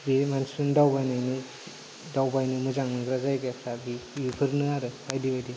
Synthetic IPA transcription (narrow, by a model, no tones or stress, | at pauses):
bemansundawbajnajni | dawbajnɯmɯzaŋɯɡɾazajɡapʰɾabiupʰɯɾnɯaɾɯbajdibajdi